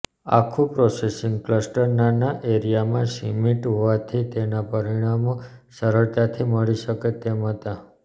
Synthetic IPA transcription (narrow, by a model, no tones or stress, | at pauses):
a̰kʰũpɾɔsesiŋɡkləsʈəɾnanaʔeɾijamãsimiʈɦoʋat̪ʰit̪enapəɾiɽ̃amo | səɾəɭt̪at̪ʰiməɭiʃəket̪emɦət̪a